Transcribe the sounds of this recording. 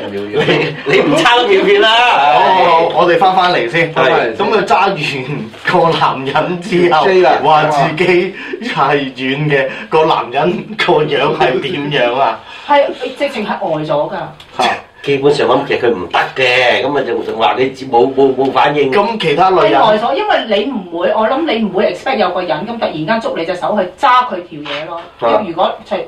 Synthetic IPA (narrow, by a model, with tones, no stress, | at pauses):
e˨˧le˨˧jm̩˨t͡sʰaː˥wjiː˨˧kyː˧naː˥ɔː˧ŋɔː˨˧t̪e˨jfaː˥nfaː˥nle˨˩jsiː˥n˨kɐ˨˥mkʰɐ˨˧wt͡saː˥jyː˨˩n | kɔː˧laː˨˩mjɐ˨˥nt͡siː˥˧˥jɐ˨wwaː˨˩t͡siː˨ke˨˥jhɐ˨jjyː˨˧nkɛː˧kɔː˧la̰ː˨˩mjɐ˨˥nkʰɔː˧jœː˨˥ŋhɐ˨jt̪iː˨˥mjœː˨˥ŋa˧ | hɐ˨jt͡sɪ˨k̚t͡sɪ˨ŋɦɐ˨jʔɔː˨jt͡sɔː˨˥kɐː˧ | ɛ˧˥ | ke˥pu˨˥nsːŋlɐ˨˦mkʰe˨˩sɐ˨kʰɵ˨˧ɥm̩˨˩t̪ɐ˥kːɛː˧kɐ˨˦mɐ˨˧t͡sɐ˨˩˨t͡sɪ˨˩ŋwa̰ː˨˩ne˨˧t͡si˨mo˨˧wmo˨˧wmo˨˧wfa̰ː˨˥njɪ˧ŋkɐ˧mkʰe˨˩jt̪ʰaː˥lɵ˨˧˨jjɐ˨ɔː˨jt͡sɔː˨˥jɐ˥nwɐ˨jle˨˧jm̩˨˩wuː˨˧jʔɔː˨˧˥lɐ˨˥mne˨˧jm̩˨˩wuː˨˧jɪ˨k̚spɛː˥k̚jɐ˨˧wkɔː˧jɐ˨˥nkɐ˨˥mt̪ɐ˨k̚jiː˨˩nkaː˥nt͡sʊ˥k̚le˨˧jt͡sɐ˨sɐ˨˥whɵ˧ɥt͡saː˥kʰɵ˨˧ɥt̪ʰiː˨wjɛː˨˧lɔː | ɐ˥jyː˨˩kʷɔː˨˥t͡sʰɐ˨˩